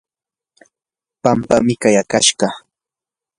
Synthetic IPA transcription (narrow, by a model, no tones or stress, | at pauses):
pampamɪkajakaʃɢɑ